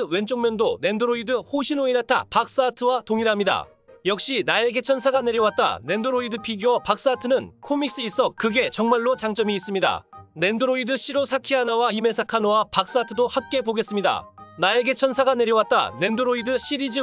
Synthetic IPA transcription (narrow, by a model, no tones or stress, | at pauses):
ɯwe̞nt͡ɕʰoŋmjʌndone̞ndoɾoidɯhoɕʰinoiɾatʰa̰pak̚s͈atʰɯwatoŋiɾɦamɲida̰ | jʌk̚ɕ͈inae̞ɡe̞t͡ɕʰʌnsʰaɡane̞ɾjʌwat̚t͈a̰ne̞ndoɾoidɯpʰiɡiwʌpak̚s͈atʰɯnɯnkʰomik̚s͈ɯis͈ʌkɯɡe̞t͡ɕʌŋmaɭːot͡ɕaŋt͡ɕ͈ʌmiːs͈ɯmɲida̰ne̞ndoɾoidɯɕʰiɾosʰakʰiɦanawaime̞sʰakʰanowapak̚s͈atʰɯdohap̚k͈e̞poɡe̞s͈ɯmɲida̰nae̞ɡe̞t͡ɕʰʌnsʰaɡane̞ɾjʌwat̚t͈a̰ne̞ndoɾoidɯɕʰiɾid͡ʑi